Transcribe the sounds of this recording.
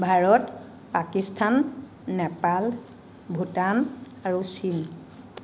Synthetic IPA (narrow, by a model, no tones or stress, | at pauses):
bʱaɹɔt | pakistʰanː | ɛpal | bʱutan | aɹusin